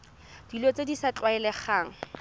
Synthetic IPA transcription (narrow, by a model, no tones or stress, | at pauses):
d̥ilot͡sedisat͡ɬʼwaɛlɛχaːŋ̩